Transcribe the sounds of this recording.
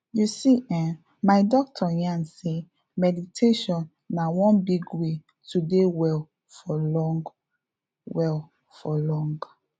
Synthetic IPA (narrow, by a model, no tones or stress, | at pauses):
jusiʔɛ̃ | maɪdɔk̚tʰɔjãnse | mɛditʰeʃɔ̃nː | awɔ̃nbiɡwe | tudewɛl | fɔlɔ̃ŋɡ | wɛl | fɔlɔ̃ŋɡ